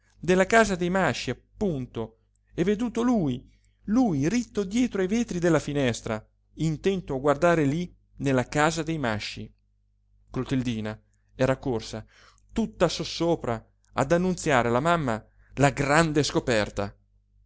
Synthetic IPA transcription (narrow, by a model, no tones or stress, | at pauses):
d̪elːakaːzad̪ejmaʃːiapːunt̪o | ɛvːed̪uːt̪oluːj | luːjrit̪ːod̪jɛːt̪ɾoajveːt̪ɾid̪elːafinɛst̪ɾa | int̪ɛnt̪oaɡward̪aːɾeli | nelːakaːzad̪ejmaʃːi | klot̪eld̪iːna | ɛːɾakorsa | t̪ut̪ːasosoːpɾa | a̰d̪anːunt̪sjaːɾelamamːa | laɡɾand̪eskopɛrt̪a̰